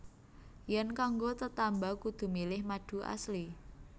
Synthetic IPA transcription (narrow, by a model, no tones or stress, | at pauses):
jɛnkaŋɡot̪ət̪ambakud̪̥ṳmilɪhmaɖ̥ṳʔa̰sli